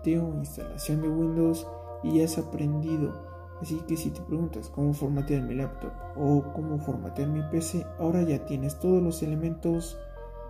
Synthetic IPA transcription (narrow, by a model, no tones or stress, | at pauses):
t̪eoinst̪a̰la̰sjo̞nd̪e̞ɣwĩnd̪o̞ws | iʝaasapɾend̪iðo̞̰ | asike̞sit̪e̞pɾe̞ɣunt̪asko̞mo̞fo̞ɾmat̪ealmilapt̪o̞̰p | oko̞mo̞fo̞ɾma̰t̪eaɾmipese̞ao̞ɾaʝat̪je̞ne̞st̪o̞ð̞olo̞se̞le̞mẽnt̪o̞s